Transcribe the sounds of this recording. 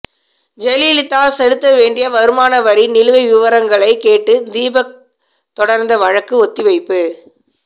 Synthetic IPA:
d͡ʒɛlilɪt̪ːaːlsɛlɯt̪ːɐʋeːɳɖɪjɐʋɐɾɯmaːnɐʋɐɾinɪlɯʋɐɪʋɪʋɐɾɐŋɡɐɭɐɪkeːʈːɯd̪iːbɐ | t̪ɔɽɐɾnd̪ɐʋɐɻɐkːɯɔt̪ːɪʋɐɪpːɯ

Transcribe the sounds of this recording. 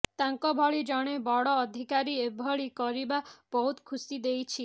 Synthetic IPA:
t̪aŋkɔbʱɔɭid͡ʒɔɽ̃ebɔɽɔːd̪ʱikaɾiebʱɔɭikɔɾibab̥ɔɦut̪kʰusid̪ejt͡ʃʰi

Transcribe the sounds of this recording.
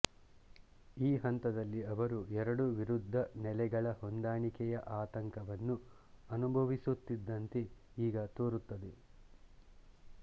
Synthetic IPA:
iːɦɐnt̪ɐd̪ɐlːiɐʋɐɾuɛɾɐɽuʋiɾud̪ʱːɐnɛlɛɡɐɭɐhond̪aːɳikɛjɐʔaːt̪ɐŋkɐʋɐnːu | ɐnubʱɐʋisut̪ːid̪ːɐnt̪e | iːɡɐt̪oːɾut̪ːɐd̪e

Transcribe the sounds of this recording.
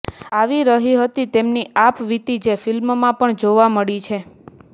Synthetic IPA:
aʋiɾəɦiɦət̪it̪emniapʋit̪id͡ʒefɪlmmãpəɳd͡ʒoʋaməɭit͡ʃʰe

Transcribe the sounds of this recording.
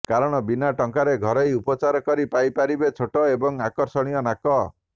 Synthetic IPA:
kaɾɔɽ̃ɔbinaʈɔŋkaɾeɡʱɔɾɔjupɔt͡ʃaɾɔkɔɾipajpaɾibet͡ʃʰoʈɔebɔŋakɔɾsɔɽ̃ijɔnakɔ

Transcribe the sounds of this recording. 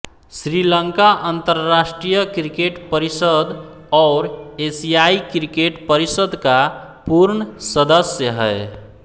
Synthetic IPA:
sɾiləŋkaʔənt̪əɾːasʈɾijəkɾikeʈpəɾisəd̪ | ɔːɾesijaikɾikeʈpəɾisəd̪kapuɾɳəsəd̪əsjəɦɛɪ

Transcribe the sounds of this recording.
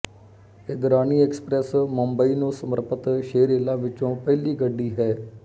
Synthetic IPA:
ɪɡ̪ɾaːniːɛːksə̥pɾɛsməmbəiːnũːsəməɾpət̪ʃeːɾeːlaːʋɪt͡ʃõːpɛːliːɡəɖːiːɦɛː

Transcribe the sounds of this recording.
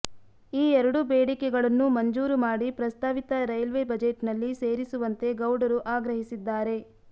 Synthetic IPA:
iːɛɾɐɽubeːɽikɛɡɐɭɐnːumɐɲd͡ʒuːɾumaːɽipɾɐst̪ʰaːʋit̪ɐɾɐjɐlʋe̞bɐd͡ʒeʈnɐlːiseːɾisuʋɐnt̪e̞ɡɐwɽɐɾuʔaːɡɾɐɦisid̪ːaːɾe̞

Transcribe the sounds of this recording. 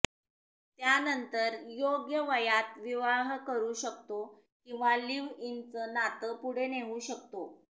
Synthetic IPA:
t̪janənt̪əɾjoɡjəʋəjat̪ʋiʋaɦkəɾuːɕəkt̪o | kĩw̃ʋaliʋint͡sənat̪əpuɽ̤eneʋuːɕəkt̪o

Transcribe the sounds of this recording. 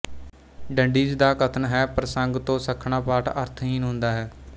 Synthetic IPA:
ɖəɳɖiːd͡ʒd̪aːkət̪ʰənɦɛːpɾəsəŋɡt̪õːsəkʰːɳaːpaːʈəɾt̪ʰɦiːnɦʊ̃nd̪aːɦɛː

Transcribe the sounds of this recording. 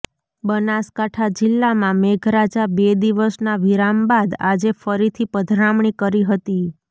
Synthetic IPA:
bənaskaʈʰad͡ʒɪlːamãmeɡʱɾad͡ʒabed̪iʋəsnaʋiɾambad̪a̰d͡ʒefəɾit̪ʰipəd̪ʱɾamɳikəɾiɦət̪i

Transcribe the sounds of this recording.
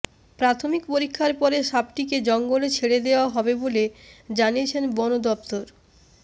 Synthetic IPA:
pɾat̪ʰomikpoɾikʰːaɾpɔɾeʃab̚ʈiked͡ʑɔŋɡolet͡ɕʰeɽed̪eoaɦɔbeboled͡ʑaniet͡ɕʰenbɔnod̪ɔp̚t̪oɾ

